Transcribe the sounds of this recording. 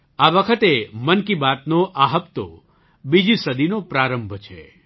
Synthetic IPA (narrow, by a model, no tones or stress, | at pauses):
aʋəkʰət̪emənkibat̪noʔaɦəpt̪o̰ | bid͡ʒisəd̪inopɾaɾəmbʱt͡ʃʰḛ